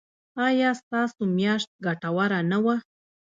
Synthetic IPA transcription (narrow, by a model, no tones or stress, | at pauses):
ɑjɑst̪ɑsomjɑʃt̪̚ɡaʈawaɾanawa